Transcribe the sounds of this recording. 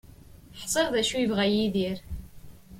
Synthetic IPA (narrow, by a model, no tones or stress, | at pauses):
ħsˤeɾˤðæʃujivʁæjiðiɾ